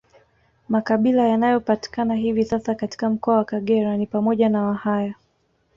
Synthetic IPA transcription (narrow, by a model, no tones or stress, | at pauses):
makaɓilajanajɔpati̥kanaɦivisasakati̥kam̩kɔawakaɠɛɾanipamɔʄanawahaja